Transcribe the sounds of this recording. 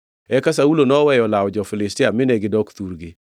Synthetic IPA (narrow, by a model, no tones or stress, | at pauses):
ɛkasaulonɔwɛjɔlawɔd͡ʒɔfɪlɪstɪamɪnɛɡɪdɔkt̪uɾɡɪ